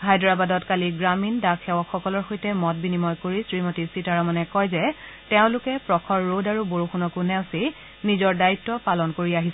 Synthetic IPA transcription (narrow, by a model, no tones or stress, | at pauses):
ɦajdɔɹabadɔtkaliɡɹamindakʰɛwɔkxɔkɔlɔɹxojtɛmɔt̚binimɔjkoɹisɹimotisitaɹɔmanɛkɔjzɛ | tɛʊ̃lʊkɛpɹɔkʰɔɹːodaɹuboɹuxunɔkunɛʊ̃si | nizɔɹdaitːɔpalɔnkoɹiaɦis